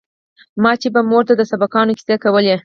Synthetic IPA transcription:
mɑt͡ʃebamoɾt̪ad̪əsabakɑnoki̥zakawəle

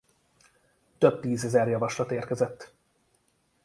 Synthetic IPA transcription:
t̪øb̚t̪iːzɛzɛrjɒvɒʃlɒt̪eːrkɛzɛt̪ː

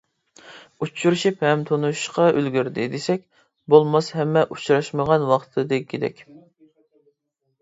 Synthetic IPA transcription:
ut͡ʃʰːuɾuʃiphɛmt̪ʰonuʃqɑʔølɡʲyɾd̪ɪd̪esɛk̚ʲ | bolˠmɑshɛmːɛʔut͡ʃɾɑʃməʁɑnwɑχt̪ʰɨd̪ɨkʲʰːid̪ɛ̰kʲ

